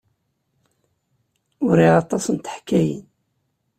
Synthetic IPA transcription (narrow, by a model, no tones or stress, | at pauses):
ʊɾiɑt̪ˤɑsnt̪ə̥ħkːæjə̰n